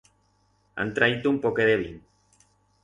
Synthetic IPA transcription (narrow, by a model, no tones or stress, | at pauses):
a̰nt̪ɾait̪uumpokeðeβin